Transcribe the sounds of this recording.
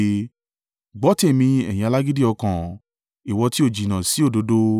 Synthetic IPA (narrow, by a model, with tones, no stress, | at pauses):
ɡ͡bɔ˨˦te˦˨mĩ˧ɛ̰˨jĩ˧˦a˧la˦ɡi˦di˦ɔ˧kã˨ | i˨wɔ˧ti˦o˦˨d͡ʒi˨nã˨si˨˦o˦˨do˨˦do˦